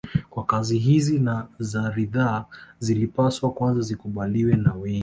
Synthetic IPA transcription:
kwakaziɦizinazaɾiðaːzilipaswakwanzazikuɓaliwɛnawɛŋi

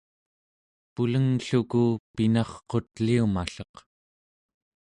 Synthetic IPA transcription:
puləŋɬukupinɑχqo̞t̪liuma̰ɬʌq

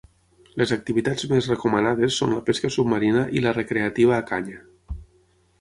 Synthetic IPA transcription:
lezak̚t̪iβit̪ad͡zmezrəkumənaðesːonləpeskəsub̚məɾinəʔilərekɾeat̪iβ̞aːkaɲə

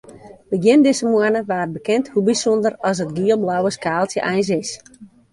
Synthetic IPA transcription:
dəɡjɪndɪsəmwənəʋaːəbəkɪnthubisɔndərɔs̬ətɡiəlˠblawəskaːlˠtjəʔɛjns̬ɪs

